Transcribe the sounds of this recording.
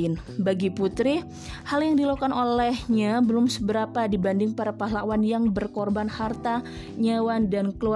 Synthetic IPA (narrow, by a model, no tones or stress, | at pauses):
ɪn | baɡiput̪ɾi | haljaŋdilokanʔolɛhɲabəlʊmsəbəɾapadibandɪŋpaɾapaɦlawanjaŋbərkɔrbanhart̪a | ɲawandankəlua